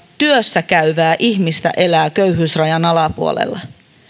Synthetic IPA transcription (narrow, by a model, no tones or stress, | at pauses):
t̪yøsːækæyʋæːʔiçmist̪æ̰ʔe̞læːkøɥɦyːsrɑjɑnɑlɑpuo̰lḛlːɑ